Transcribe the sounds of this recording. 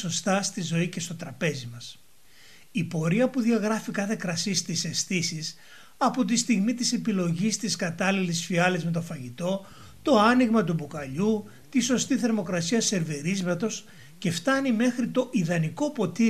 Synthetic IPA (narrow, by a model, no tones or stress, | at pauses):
o̞st̪ɐst̪izo̞ice̞st̪o̞t̪ɾɐpe̞zimɐs | ipo̞ɾiɐpuðiɐɣɾɐfikɐθe̞kɾɐsist̪ise̞sθisis | ɐpo̞t̪ist̪iɣmit̪ise̞pilo̞ʝist̪iskɐt̪ɐlilisfiɐlizme̞t̪o̞fɐʝit̪o̞ | t̪o̞ɐniɣmɐt̪̬ubukɐʎu | t̪iso̞st̪iθe̞ɾmo̞kɾɐsiɐse̞ɾveɾizmɐt̪o̞s | ce̞ft̪ɐnime̞xɾit̪o̞ʔiðɐniko̞po̞t̪i